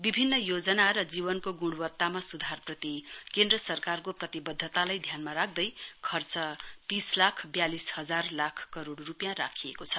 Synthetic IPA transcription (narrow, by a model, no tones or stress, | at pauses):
bibʱinːʌjod͡zʌnaɾʌd͡ziβʌnkoɡuɽwʌt̪ːamasud̪ʱarprʌt̪ikend̪rʌsʌrkarkoprʌt̪ibʌd̪ʱːʌt̪alajd̪ʱjanmaɾak̚ʰd̪ʌjkʰʌrt͡sʌt̪islakʰbjalishʌd͡zarlakʰkʌɾoɽrupjãrakʰijekot͡sʰʌ